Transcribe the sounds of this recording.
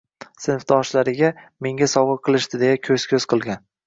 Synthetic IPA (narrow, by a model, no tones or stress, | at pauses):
sɪnfd̪ɒʃlaɾɪɡʲame̞ŋʲasɒwʁɨɾqʰɨlˠɪʃt̪ɪd̪e̞jakʲʰɵz̥kʲʰɵzqʰɨlˠɡʲan